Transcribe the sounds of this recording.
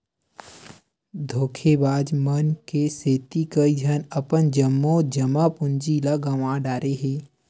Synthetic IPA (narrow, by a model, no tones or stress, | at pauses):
d̪ʱoːkʰebaːd͡ʒmənkeseːt̪ikəid͡ʒʱənəpənd͡ʒəmːõd͡ʒəmapʊnd͡ʒilaɡəʋãːɖaːɾeɦeː